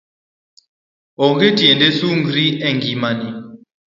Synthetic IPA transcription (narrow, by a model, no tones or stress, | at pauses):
ɔŋɡetʼiɛndesuŋɡɾiɛŋɡimani